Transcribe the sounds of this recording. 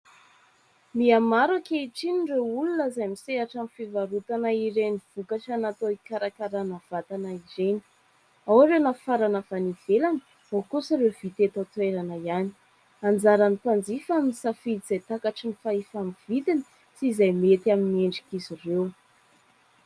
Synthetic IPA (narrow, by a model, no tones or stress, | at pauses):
miamaɾakeiʈ͡ʂiniɳrewulunəzajmiseɦaʈ͡ʂamifivaɾut̪anaiɾeniv̥ukaʈ͡ʂanat̪oikaɾakaɾanav̥at̪anaiɾeni̥ | awaɾewnafaɾanəfaniv̥elani̥ | okusiɾewvit̪et̪at̪weɾanəjani̥ | and͡zaɾanipand͡zifaminisafid̪iz̥ajt̪akaʈ͡ʂinifaifamivit̪ini̥ | sizajmet̪iaminieɳɖ͡ʐikizirew